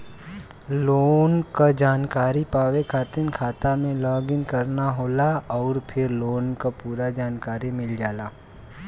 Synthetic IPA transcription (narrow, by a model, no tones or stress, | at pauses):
loːnkad͡ʒaːnkaːɾipaːʋekʰaːt̪ɪnkʰaːt̪amẽlɔːɡɪ̃ŋkɐɾnaɦoːlaɔːɾpʰɪɾloːnkapuːɾad͡ʒaːnkaːɾimɪld͡ʒaːlaː